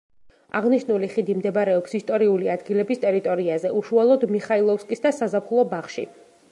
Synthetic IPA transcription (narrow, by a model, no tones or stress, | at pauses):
a̰ʁniʃnuliχid̪imd̪ɛbaɾɛɔpsist̪ʼɔɾiuliad̪ɡilɛbist̪ʼɛɾit̪ʼɔɾiazɛʔuʃualˠɔd̪miχailˠɔfskʼisd̪asazapχulˠɔbaχʃḭ